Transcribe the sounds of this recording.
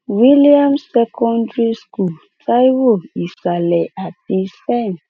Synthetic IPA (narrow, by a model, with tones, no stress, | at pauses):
wi˦li˦a˦msɛ˦kʰɔ̃˦ndɹi˦sku˨l | tʰa˦jwo˨i˨sa˨lɛ˨ʔa˨ti˦stɛ˦˨n